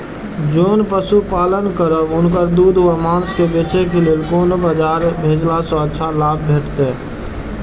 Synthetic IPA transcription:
d͡ʒoːnpəsupaːlənkəɾəbʊnkəɾd̪uːd̪ʱɦuamaːnskebeːt͡ʃekelieːlkoːnobad͡ʒaːɾbʱeːd͡ʒlasɔ̃ətːʃʰalaːb̚ʱbʱeːʈt̪e

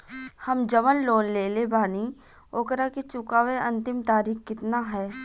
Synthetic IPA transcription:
hɐmd͡ʒəʋənloːnleːlebaːni | oːkɾaket͡ʃʊkaːʋeɐ̃nt̪ɪmt̪aːɾiːxkɪt̪naɦɛː

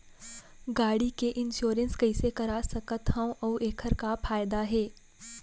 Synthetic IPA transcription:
ɡaːɽikeʔɪnʃoːɾə̃nskɐɪsekɐɾasɐkət̪ɦãw̃ʔɐeːkʰəɾkafʰaːjd̪aɦeː

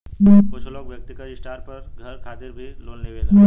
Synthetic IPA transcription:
mkʊt͡ʃʰloːɡʋjɐk̚t̪ɪkəɾɪsʈaːɾpɐɾɡʱɐɾkʰaːt̪ɪɾbʱiloːnneʋe

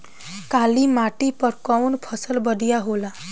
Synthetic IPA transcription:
kaːlimaʈipəɾkɔwnpʰəsəlbəɖ̪ijaɦola

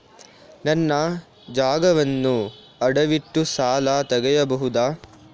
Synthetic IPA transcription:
nɐnːɐ | d͡ʒaːɡɐʋɐnːu | ɐɽɐʋiʈːusaːlaːt̪ɐɡɐjɐbɐɦud̪aː

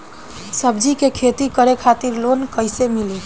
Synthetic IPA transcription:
səbd͡ʒikekʰet̪ikəɾekʰat̪iɾlonkəɪsemili

